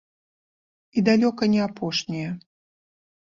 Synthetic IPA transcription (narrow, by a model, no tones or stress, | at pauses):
id̪alʲɔkɐnʲɛapɔʂnʲijɛ